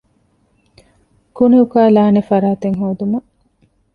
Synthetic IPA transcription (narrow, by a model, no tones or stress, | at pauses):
kuneukaːlaːnefɐɾaːt̪eŋɦoːd̪umɐ